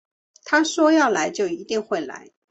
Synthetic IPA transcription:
t̪ʰa˥ʂwɔ˥jɑ˥˩ʊla˧˥ɪt͡ɕjo˥˩ʊi˧˥t̪i˥˧ŋxwe˥˩ɪla̰˧˥˦ɪ

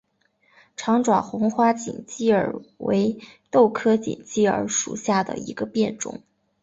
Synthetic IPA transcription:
ʈ͡ʂʰɑ˧˥ŋʈ͡ʂwa˨˩xʊ˧˥ŋxwa˥t͡ɕḭ˨˩ŋt͡ɕi˥˩ə̰˞˨˩we˧˥ɪt̪o˥˩ʊkʰɤ˥t͡ɕḭ˨˩ŋt͡ɕi˥˩ə̰˞˧˥ʂṵ˨˩ɕja˥˩d̪ə̰˩ḭ˧˥ɡə˧pjɛ˥˧nʈ͡ʂʊ̰˧˥˩ŋ

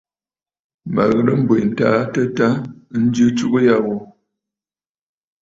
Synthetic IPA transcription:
ma̰˨ɣə˨ɾə˦m̩˦bə˨n̩˨taː˨˦tə˦ta˦n̩˦d͡ʒjɨ˦t͡ʃu˦kə˦ja˦˨wo˨

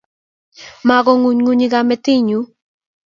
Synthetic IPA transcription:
ma˨ɡɔ˦ŋu˨ɲŋu˦ɲi˦ɡamɛ˨t̪i˦ɲu˨˦

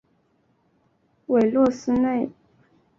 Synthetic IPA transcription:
we˨˩ɪlwɔ˥˩sɹ̩˥ne˥˩ɪ

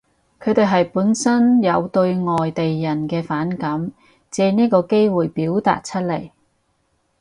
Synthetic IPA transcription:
kʰɵ˨˧t̪e˨jɦɐ˨jpuː˨˥nsɐ˥njɐ˨˧wt̪ɵ˧ɥŋɔː˨jt̪e˨jːɐ˨˩nkɛː˧faː˨˥nkɐ˨˥m | t͡sɛː˨˧niː˥kɔː˧ke˥jwuː˨jpiː˨˥wt̪a̰ː˨t̚t͡ʃʰɵ˥t̚le˨˩j

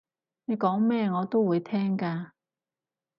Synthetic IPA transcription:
ne˨˧jkɔː˨˥ŋmɛː˥ŋɔː˨˧t̪o˥wuː˨˧jt̪ʰɛː˥ŋkaː˧

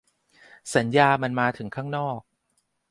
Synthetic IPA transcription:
sa˩˦njaː˧ma˧nmaː˧t̪ʰɯ˩˦ŋkʰaː˥˩ŋnɔː˥˩k̚

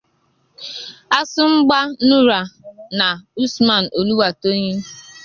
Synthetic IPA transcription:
a˦sʊ˦ŋ͡m̩˦ɡ͡ba˦nu˦ɾa˨na˨u˦sma˨n̩˨o˨lu˦wa˨to˦ɲe˦

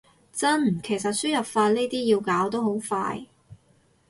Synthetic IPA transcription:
t͡sɐ˥n˨kʰe˨˩js̬ɐ˨t̚syː˥jɐ˨p̚faː˧t̚ne˥jt̪iː˥jiː˧wkaː˨˥wt̪o˥wɦo˨˥wfa̰ː˧j

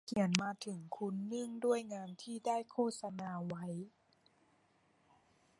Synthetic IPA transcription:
kʰi˨˩˦ənmaː˧t̪ʰɯ˨˩˦ŋkʰu˧˥nːɯ˥˩əŋdu˥˩əjŋaː˧nt̪ʰiː˥˩daː˥˩jkʰoː˥˩t̪̚sa˧naː˧wa˦˥j

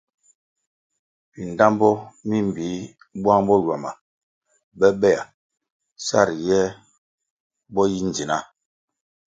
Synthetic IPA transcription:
pi˨n˨da˦mbɔ˦mi˦m˨bi˨˦ | bwa˦ŋbɔ˦lwa˨ma̰˨ | bɛ˦ɓɛ˦˨a˨ | sa̰˦˨ɾjɛ˦ | bɔ˦ji˦n˨d͡zi˨na˦˨

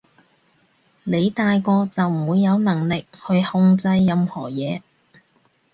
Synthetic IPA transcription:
ne˨˧jt̪aː˨˧jkɔː˧t͡sɐ˨wm̩˨wuː˨˧jːɐ˨˧wnɐ˨˩ŋlɪ˨k̚hɵ˧ɥhʊ˧ŋt͡sɐ˧jːɐ˧mhɔː˨˩jɛː˨˧

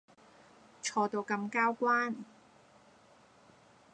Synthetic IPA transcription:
t͡ʃʰɔː˧t̪o˧wkɐ˧mkaː˥wkʷaː˥n

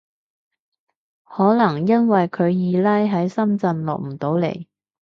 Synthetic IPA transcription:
hɔː˨˥lɐ˨˩ŋjɐ˥nwɐ˨jkʰɵ˨˧ɥjiː˨˧lɐ˥jɦɐ˨˥jsɐ˥mt͡sɐ˧nlɔ̰ː˨k̚m̩˨˩t̪o˨˧˥wlḛ˨˩j

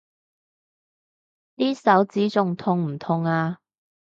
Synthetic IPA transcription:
t̪iː˥sɐ˨˥wt͡siː˨˥t͡sʊ˨˧ŋt̪ʰʊ˧ŋm̩˨˩t̪ʰʊ˨˧ŋaː˧

